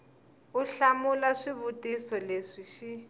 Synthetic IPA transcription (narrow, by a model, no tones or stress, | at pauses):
uɬamulaʂiβutisɔleʂiʃi